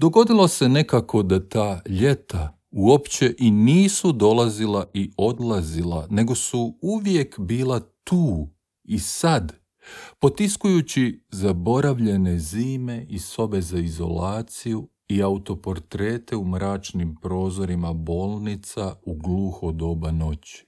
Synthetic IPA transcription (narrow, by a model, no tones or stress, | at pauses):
d̪oɡo̞d̪ilˠose̞ne̞kako̞d̪at̪aːʎe̞t̪a | uo̞pt͡ɕe̞ʔiniːsud̪o̞lˠazilaʔio̞d̪lˠazilˠane̞ɡo̞suuʋje̞kbiːlˠat̪uː | isad̪ | po̞t̪iskujut͡ɕizabo̞ɾaʋʎe̞ne̞ziːme̞ʔiso̞be̞zaizo̞̰laːt̪siju | iaut̪o̞po̞ɾt̪ɾe̞ːt̪e̞umɾaːt͡ʃnimpɾo̞ːzo̞ɾimabo̞ːlˠnit̪sauɡluːxod̪o̞bano̞t͡ɕi̥